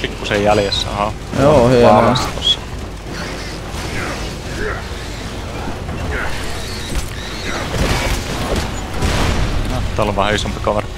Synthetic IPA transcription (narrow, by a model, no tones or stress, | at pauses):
pikːusejjæljesːæ̰hɑ | joːhyɑst̪t̪osːɑ | nɑt̪ːɑolʋɑhæisompi̥kɑʋɑr